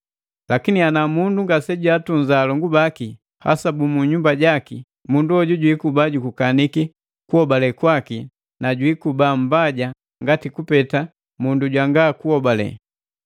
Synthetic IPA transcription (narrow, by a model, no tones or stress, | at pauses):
lakinianamunduŋɡasɛɟwatuɲzaːlɔŋɡubaki | ha̰sabumuɲumbaɟaki | munduɔɟuɟwikubaɟukukaniki | kuhɔbalɛkwaki | naɟwikubam̩baɟa | ŋɡatikupɛta | munduɟwaŋɡaːkuɔbalɛ̰